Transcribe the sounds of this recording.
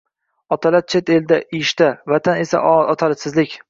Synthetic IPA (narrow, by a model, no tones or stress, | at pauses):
ɒt̪ʰalaɾ̚t͡ʃʰet̪e̞ld̪aʔɪʃt̪avat̪ʰane̞sa̰ʔɒt̪ʰalɪsɪzlɪkʲ